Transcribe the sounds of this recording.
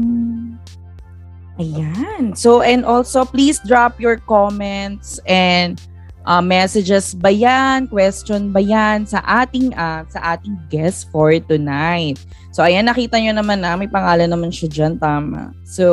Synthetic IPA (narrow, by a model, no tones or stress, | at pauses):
m̩ | ʔɐjansoʔɛ̃nd̪ʔolsoplisd̪ɹapjɔɹkomɛnt̪sʔɛnd̪ | ʔɐmːɛsɛd͡ʒɛsbɐjankwɛst͡ʃonbɐjansɐʔaːt̪ɪŋʔɐsɐʔaːt̪ɪŋɡɛst̪fɔɹt̪ʊnajt̪̚ | soʔɐjanːɐkiːt̪ɐɲonɐmanːɐmɐjpɐŋaːlɐnːɐmanʃad͡ʒɐnt̪aːma̰ | so